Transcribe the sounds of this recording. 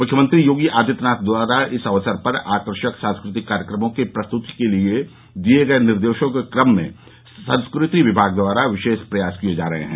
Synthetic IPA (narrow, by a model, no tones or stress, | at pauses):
mʊkʰjəmə̃nt̪ɾijoːɡiʔaːd̪ʱɪt̪naːt̪̚d̪waːɾaɪsɐʋəsəɾpɐɾaːkəɾʃəksãnskɾɪt̪ɪkːaːɾjəkɾəmõkepɾɐst̪ʊt̪i̥kelie | d̪ieɡɐenɪɾd̪eːʃõkekɾəmːḛ̃ | sɐ̃nskɾɪt̪iʋɪbʱaːɡ̚d̪ʋaːɾaʋɪʃeːʃpɾɐjaːskied͡ʒaːɾɐɦḛɦɛ̰̃ː